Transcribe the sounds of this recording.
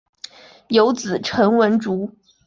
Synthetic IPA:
jo˧˥ʊt͡sɹ̩˨˩ʈ͡ʂʰɤ˧˥ŋwə˧˥nʈ͡ʂu˧˥

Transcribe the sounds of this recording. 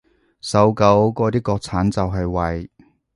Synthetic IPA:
sɐ˨˥wkɐ˨˧˥wkɔː˧t̪iː˥kɔː˧k̚t͡sʰaː˨˥nt͡sɐ˨wɦɐ˨jwɐ˨˩j

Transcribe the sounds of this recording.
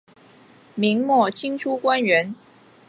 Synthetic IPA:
mi˧˥ŋmwɔ˥˩t͡ɕʰi˥ŋʈ͡ʂʰu˥kwa˥nɥɛ˨˧˥n

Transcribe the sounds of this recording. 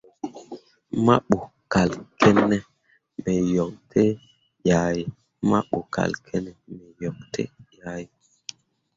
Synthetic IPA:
ma˦ɓo˨ | ka˨lkʰe˦nːe˦ | me˨jɔ˨ŋtʰe˦ | ja˨ji˨ | ma̰˦ɓo˨ka̰˨lkʰe˦nɛ˨me˨jɔ˨ŋtʰḛ˦ja˨˦ji˨

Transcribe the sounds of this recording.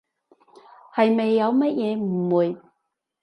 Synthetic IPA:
hɐ˨jme˨jːɐ˨˧wmɐ˥t̚jɛː˨˧m̩˨˩wu˨j

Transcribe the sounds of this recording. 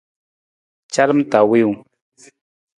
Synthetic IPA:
t͡ʃa˦ɾm˦ta˨wi˦w

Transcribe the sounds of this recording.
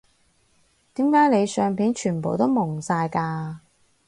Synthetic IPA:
t̪iː˨˥mkaː˨˥jne˨˧jsœː˨ŋpiː˨˥nt͡ʃʰyː˨˩npo˨˩wt̪o˥wmʊ˨˩ŋsaː˧jkaː˧

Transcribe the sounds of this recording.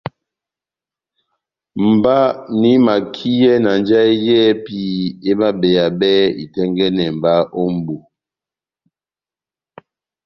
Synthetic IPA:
m̩˨ba˦ni˦ma˨kʰi˦jɛ˦na˨nd͡ʒa˦i˦jɛ˦pi˦e˦ma˦be˨ja˨bɛ˦ḭ˨tɛ˦ŋɡɛ˦nɛ˨m̩˨ba˦ʔo˦m̩˦bu˨

